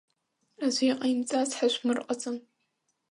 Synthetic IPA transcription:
aʒʷiqʼajmt͡sʼazħaʃʷmɨrqʼat͡sʼɨm

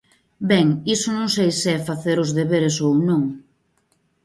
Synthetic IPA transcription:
bɛŋisʊnõŋsejsɛfaθeɾʊzðeβeɾesownõŋ

